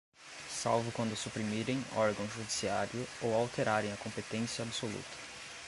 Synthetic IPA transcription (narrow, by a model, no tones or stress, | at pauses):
sawvʊkwɐ̃nd̪ʊsupɾimiɾẽj̃ɔɾɡɐ̃w̃ʒud͡ʒisiaɾjʊowawt̪eɾaɾẽj̃ɐkõmpet̪ẽsiɐabsolṵt̪ʰɐ̥